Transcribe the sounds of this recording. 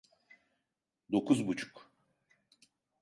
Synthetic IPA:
d̪o̞kʰuzbut͡ʃʰu̥k

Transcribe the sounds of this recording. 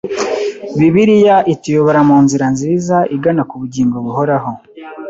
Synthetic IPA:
βiβiɾijaʔitijoβoɾamuːnziɾanzizaʔiɡanakuβuɟiːŋɡo̞βuɦo̞ɾaɦo

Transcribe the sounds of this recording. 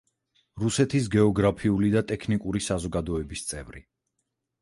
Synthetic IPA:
ɾusɛt̪ʰis̬ɡɛɔɡɾapʰiulid̪at̪ʼɛkʰnikʼuɾisazɔɡad̪ɔɛbist̪sʼɛvɾi

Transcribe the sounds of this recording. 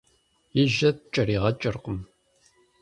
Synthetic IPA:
jɪʒɐt̚t͡ʃʼɐriːʁɐt͡ʃʼɨrqəm

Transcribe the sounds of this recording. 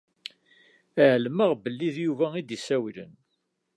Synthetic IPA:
æʕlməʁbəlːiðjuvæid̪jəsæwilə̰n

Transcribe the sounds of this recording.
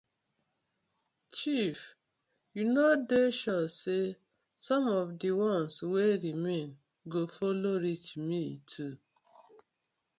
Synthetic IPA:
t͡ʃif | junɔdeʃɔse | sɔ̃mɔvdiwɔ̃nsweɾimẽn | ɡofoloɾit͡ʃmitʰu

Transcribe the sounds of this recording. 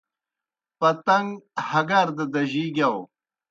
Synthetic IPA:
pɐt̪ɐŋɡhɐɡaɾd̪ɐd̪ɐʑiɡʲaw

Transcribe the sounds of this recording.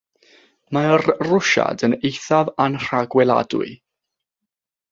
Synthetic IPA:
marrʊʃa̰dənejθavanr̥aɡwɛlˠa̰dʊ̰ɨ

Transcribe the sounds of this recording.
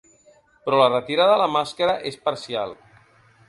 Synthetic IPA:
pɾɔlərət̪iɾaðələmaskəɾəʔespəɾsia̰lˠ

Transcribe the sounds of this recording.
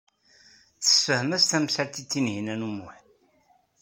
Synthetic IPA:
θə̥sfəhmæst̪æmsæɾt̪it͡s̪ːinhinænumːʊħ

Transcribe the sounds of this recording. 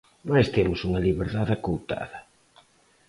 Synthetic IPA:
majst̪emʊsuŋɐliβeɾðaðakowt̪a̰ðɐ

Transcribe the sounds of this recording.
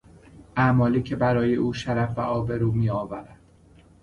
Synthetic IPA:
ʔæmɒːliːcʰe̞bæɾɒːje̞ʔuːʃæɾæfbæʔɒːbe̞ɾuːmiːɒːvæɾæd̪̥

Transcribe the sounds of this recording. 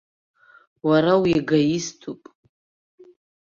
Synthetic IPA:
waɾawiaɡajistʰupʼ

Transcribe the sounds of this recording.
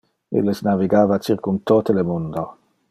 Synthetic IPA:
ḛlːesnaviɡaːvat͡ʃirkunt̪oːt̪elemund̪o

